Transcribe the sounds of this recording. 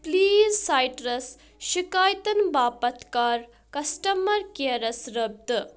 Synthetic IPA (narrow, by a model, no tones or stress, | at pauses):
pliːzsajʈɾɐs | ʃikaːjt̪ɐnbaːpɐt̪kaːɾ | kɐsʈɐmɐɾkeɐɾɐsɾɐb̚d̪